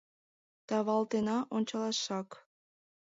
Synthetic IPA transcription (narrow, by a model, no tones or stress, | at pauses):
t̪ɑβɑlt̪enɑʔonʲt͡ɕɑlɑʃɑk